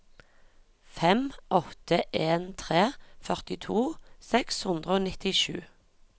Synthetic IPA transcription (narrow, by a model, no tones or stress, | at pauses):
fɛmʔɔt̪əʔeːnt̪ʰʁeːfœʁt̪ɪt̪ʰuːsɛkshʉnd̪ʁəoːnɪt̪ɪʃʉ̰ː